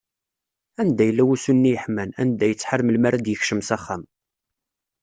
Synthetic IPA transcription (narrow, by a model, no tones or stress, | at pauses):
ænd̪æjəlːæwusunːijəħmænæ̰nd̪æjət͡sːħəɾməlmaɾæd̪jəçʃəmsæχːæm